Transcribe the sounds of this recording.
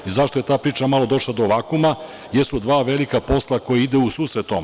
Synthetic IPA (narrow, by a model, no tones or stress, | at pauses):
izaʃt̪oje̞t̪aːpɾiːt͡ʃamalˠo̞d̪o̞ʃlad̪o̞ʋakuma | jesud̪ʋaːʋe̞likapo̞slˠako̞jeid̪eusuːsɾet̪ːom